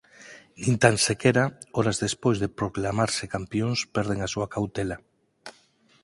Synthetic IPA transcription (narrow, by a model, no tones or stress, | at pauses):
nĩnt̪ansekeɾaoɾazðespojzðepɾoklamaɾsekampjoŋspɛɾð̞eŋasuakawt̪ela